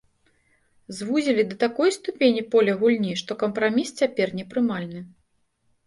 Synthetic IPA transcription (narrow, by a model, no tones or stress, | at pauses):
zvuzʲilʲid̪ɐt̪akɔjst̪upʲenʲipɔlʲɐɣulʲnʲiʂt̪ɔkɐmpɾamʲist͡sʲapʲɛrnʲɛpɾɨmalʲnɨ